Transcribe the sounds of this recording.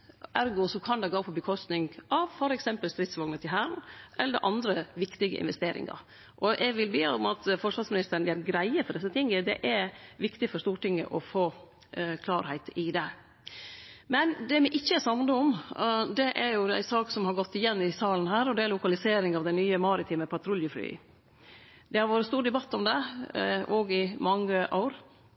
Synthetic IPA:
æɾɡʊsɔkʰɑnd̪ɛɡoːpʰɔbəkʰɔst̪nɪŋɡɑʋfɔɾɛksɛmpəlst̪ɾɪt̪sʋɑŋnət̪ʰɪlɦæːɾnʔɛlːəəʔɑnd̪ɾəʋɪkt̪ɪɡə̰ʔɪ̰nʋɛst̪eːɾɪ̰ŋɑ̰ɾ | ʔɔʔɛɡʋɪlbeːɔmɑt̪fɔʂʋɑɾsmɪnɪst̪əɾəɳ̩æɾɡɾæɪəfɔɖɛsːət̪ʰɪŋːəd̪ɛ̰ʔæʋɪkt̪ɪfɔʂst̪uːʈɪŋːə̰ʔɔfoː | kʰlɑːɾhæɪt̪ɪd̪ɛ | mɛnd̪ɛmɛʔɪçːəsɑmnəɔmd̪ɛʔæɾjʊæ̰ɪsɑːksɔmhɑɾɡɔt̪ːɪjɛnːɪsɑːlən̩hæːɾɔd̪ɛæɾlʊkɑlɪseːɾɪŋɑʋd̪ɛɪnyːəmɑɾɪt̪ʰiːməpʰɑt̪ʰɾʊljəfly̰ː | d̪ɛhɑɾʋoːɾəst̪uːɾɖ̪ɛbɑt̪ːɔmd̪ɛ | ɔɡɪmɑŋːəʔa̰ʊɾ

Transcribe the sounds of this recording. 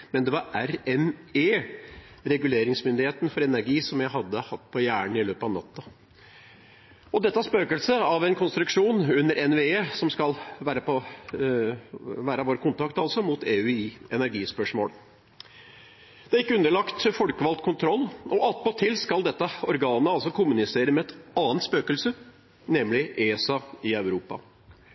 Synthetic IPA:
mɛnd̪ɛʋɑɾæɾɛmeː | ɾɛɡʉleːɾɪŋsmʏnd̪ɪheːt̪nfɔɾɛnæɾɡiːsɔmjæɪɦɑd̪ːəhɑt̪ːpʰɔjæːɳɪløːpɑʋnɑ̰t̪ːɑ | ɔd̪ɛt̪ːəæɾspøːkəlsəɑʋɛnkʰʊnst̪ɾʉkʂuːnʉnːəɾʔɛnʋeːeːsɔmskɑlʋæːɾəpʰɔ | ʋæːɾəʋoːɾəkʊnt̪ʰɑkt̪ɑlsɔmʊt̪ʰeːʉiːɛnæɾɡiːspœʂmo̰ːl | d̪̥ɛæɾɪkːəʉnd̪əɭɑkt̪fɔlkəʋɑlt̪kʰʊnt̪ʰɾɔlːʔɔʔɑt̪pɔt̪ʰːɪlskɑld̪ɛt̪ːəɔɾɡɑːnəɑlsɔkʰʊmːʉnɪseːɾəmɛɛt̪ɑːənt̪spøːkəlsə | nɛmlɪʔeːsɑɪɑʉɾuːpɑ̰

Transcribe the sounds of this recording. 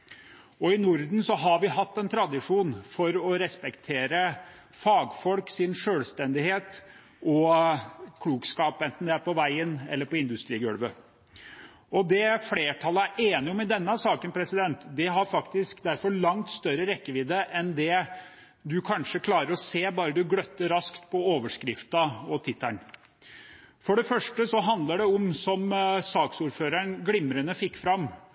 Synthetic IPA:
ɔɪnʊɾd̪n̩sɔɦɑɾʋɪɦɑt̪ːɛnt̪ʰɾɑd̪ɪʂuːnfɔɾɔɾɛspɛkt̪ʰeːɾə | fɑːɡfɔlksɪnʂøːlst̪ɛnd̪ɪheːt̪ | ɔ | kʰluːɡskɑːpɛnt̪n̩d̪ɛæɾpɔʋæɪənɛ̰lːəɾpɔɪnd̪ʉst̪ɾiːɡœ̰ɽʋə | ɔd̪ɛfɽeːʈʰɑlːəæɾʔeːnɪɔmɛd̪ɛnːəɑsɑːkənpʰɾɛsɪd̪ɛnt̪d̪ɛɦɑɾfɑkt̪ɪskd̪æɾfɔɭɑŋt̪st̪œɾːəɾɛkːəʋɪd̪əʔɛnd̪ɛ | d̪ʉkʰɑnʂəkʰlɑːɾəɾɔseːbɑːɾəd̪ʉɡɽœt̪ːəɾɑskt̪pʰɔoːʋəʂkɾɪft̪ɑɔt̪ʰɪt̪ːəɳ | fɔɖɛfœʂʈəsɔɦɑnd̪ləɖɛɔmsɔmsɑːksuːɾføːɾəɳnɡlɪmːɾənəfɪkːfɾɑmː

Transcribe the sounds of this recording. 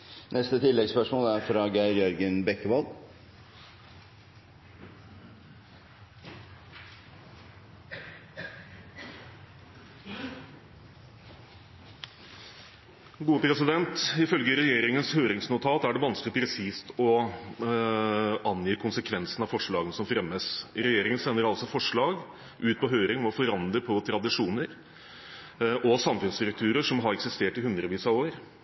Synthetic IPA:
nʔɛst̪ət̪ʰɪlːɛɡspœʂmoːlæɾfɾɑːɡæɪɾjœɾɡənbɛkːəʋɑl | ɡuːəpʰɾɛsɪd̪ɛnt̪ɪfœlɡəɾɛjeːɾɪŋənshøːɾɪŋsnʊt̪ʰɑːt̪æɖɛʋɑnsklɪpʰɾɛsiːst̪ɔ | ɑnjiːkʰʊnsəkʰʋɛnsənɑʋfɔʂɭɑːɡənəsɔmfɾɛmːəsɾɛjeːɾɪŋənsɛnːəɾɑlsɔfɔʂɭɑːɡ | ʔʉːt̪̚pʰɔɦøːɾɪŋɔmɔfɔɾɑnd̪ɾəpʰɔt̪ʰɾɑd̪ɪʂuːnəɾ | ʔɔsɑmfʉnst̪ɾʉk̚t̪ʰʉːɾəʂɔmɦɑɾɛksɪst̪eːʈɪhʉnd̪ɾəʋiːsɑoːɾ

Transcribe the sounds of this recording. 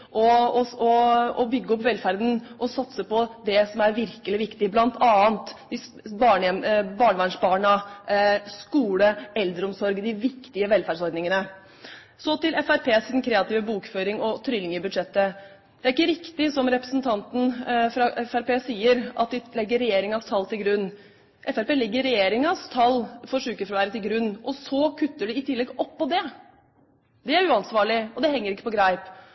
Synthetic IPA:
ʔɔɔɔɔbʏɡːəɔpːʋɛlfæɾd̪n̩ʔɔsɑt̪səpɔd̪ɛsɔmæɾʋɪɾkəlɪʋɪkt̪ɪblɑnt̪ʰɑːənt̪d̪ɪ | bɑːɳɛmbɑːɳəʋæɳʂbɑːɳɑ | skuːləɛld̪ɾəɔmsɔɾɡd̪ɪʋɪkt̪ɪəʋɛlfæɖsɔɾd̪nɪŋənə | sɔt̪ɪlɛfæɾpʰeːsɪd̪n̩kʰɾeːɑt̪iːʋəbuːkføːɾɪŋɔt̪ʰɾʏlɪŋəbʉd̪ʂɛt̪ːə | d̪̥ɛæɾɪkːəɾɪkt̪ɪsɔmɾɛpɾə̥snt̪ʰɑnt̪n̩fɾɑɛfæɾpeːsiːəɾɑt̪̚d̪ɪlɛɡːəɾːɛjeːɾɪŋɑst̪ʰɑlːt̪ʰɪlɡɾʉnː | ʔɛfæɾpeːlɛɡːəɾːɛjeːɾɪŋɑst̪ʰɑlːfɔɾʂʉːkəfɾɔʋæːɾət̪ʰɪlɡɾʉnːʔɔsɔkʰʉt̪ːəɖɛɪt̪ʰɪlːɛɡɔpːɔd̪ɛ | d̪ɛæɾʉːɑnsʋɑːɭɪɔd̪ɛhɛŋːəɾɪkːəpɔɡɾæɪp

